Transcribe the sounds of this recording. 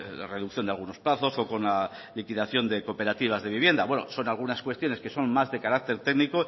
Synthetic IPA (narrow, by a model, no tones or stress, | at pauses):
re̞ðukθjo̞nd̪alɣuno̞splaθo̞so̞ko̞nla | likiðaθjo̞nd̪e̞ko̞pe̞ɾat̪iβ̞azðe̞β̞iβ̞je̞nd̪aβwe̞no̰so̞nalɣ̞unaskwe̞st̪jo̞neske̞so̞nmazðe̞kaɾak̚t̪e̞ɾt̪eɡniko